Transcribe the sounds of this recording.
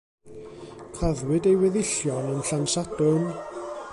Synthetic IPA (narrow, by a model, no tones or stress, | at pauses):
kʰraðwɪɨdejwɛðɪɬjɔnəmɬansadʊn